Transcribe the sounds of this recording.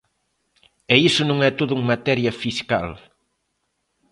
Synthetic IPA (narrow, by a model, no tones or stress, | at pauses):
ɛisʊnõŋɛt̪oðʊuŋmat̪ɛɾjɐfiskal